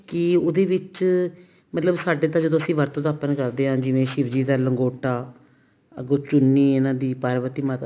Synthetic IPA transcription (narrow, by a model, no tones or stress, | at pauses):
kɪoːd̪eːʋɪt͡ʃ | mət̪ləbsaːɖeːt̪ãːd͡ʒəd̪õːəsĩːʋəɾt̪õːd̪aːpənkəɾd̪eːɦãːd͡ʒɪʋẽːʃɪɾd͡ʒiːd̪aːləŋɡoːʈaː | əɡõːt͡ʃʊnːiːɪnãːd̪iːpaːɾʋət̪iːmaːt̪